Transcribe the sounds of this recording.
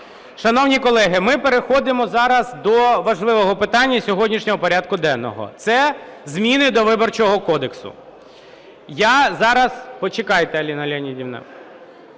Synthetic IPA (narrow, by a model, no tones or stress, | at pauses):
ʃɐnɔwnʲikɔlˠɛɦɪmɪpeɾexɔd̪ɪmɔzɑɾɐzd̪ɔʋɐʒlˠɪʋɔɦɔpɪt̪ɑnʲːɐsʲɔɦɔdʲnʲiʃnʲɔɦɔpɔɾʲad̪̚kʊd̪ɛnːɔ̰ɦɔ̰t̪sɛzmʲinɪd̪ɔʋɪbɔrt͡ʃɔɦɔkɔd̪eksʊ̰ | jazɑɾɐspɔt͡ʃekɑjt̪ɛɐlʲinɐlʲɛnʲidʲiwnɛ̰w